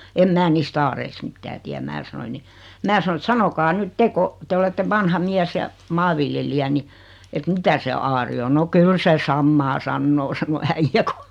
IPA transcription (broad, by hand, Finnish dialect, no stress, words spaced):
em mæː niːst ɑːreist mitːæː tiæm mæː sɑnoiŋ̆ ni mæː sɑno et sɑnokɑː nyt te ko te oletːe ʋɑnhɑ miæs jɑ mɑːʋiljelijæ ni et mitæ se ɑːri o no kyl se sɑmːɑː sɑnːoː sɑno æijːæ ku